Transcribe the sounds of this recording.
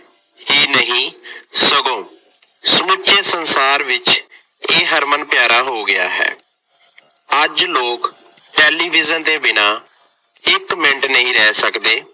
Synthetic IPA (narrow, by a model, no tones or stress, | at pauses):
hiːnəɦĩːsəɡõː | səmʊt͡ʃeːsənsaːɾʋɪt͡ʃ | eːɦəɾmənpɪjaːɾaːɦoːɡɪja̰ːɦɛ̰ː | əd͡ʒloːk | ʈɛːliːʋɪzənd̪eːbɪnaː | ɪkmɪɳʈnəɦĩːɾɛːsəkd̪eː